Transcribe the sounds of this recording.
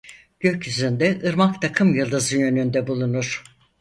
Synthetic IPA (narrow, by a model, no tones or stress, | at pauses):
ɟ̥ø̞cyzynd̪ɛʔɯɾmakt̪ʰakʰɯmjɯlˠd̪ɯzɯjø̞nynd̪ɛbulˠunuɾ̥